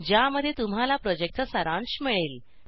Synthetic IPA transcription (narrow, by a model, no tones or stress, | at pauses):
d͡ʑjaməd̪ʱːjet̪um̤ɦalapɾɔd͡ʑek̚təsəɾãnɕmiɭel